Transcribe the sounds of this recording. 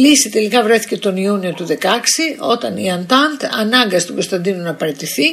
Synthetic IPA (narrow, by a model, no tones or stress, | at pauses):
lisit̪e̞likɐvɾe̞θice̞t̪o̞niunio̞t̪uðe̞kɐksiʔo̞t̪ɐnḭɐnt̪ɐnt̪ɐ̰nɐŋɡɐst̪uɡo̞st̪ɐnd̪inunɐːpɐɾe̞t̪iθi